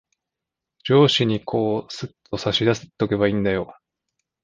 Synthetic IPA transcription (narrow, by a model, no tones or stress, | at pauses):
d͡ʑo̞ːɕiɲ̟ikʰo̞ːsɨt̪ʰːo̞saɕid̪asɨ̥t̪ːoke̞βaĩnd̪ajo̞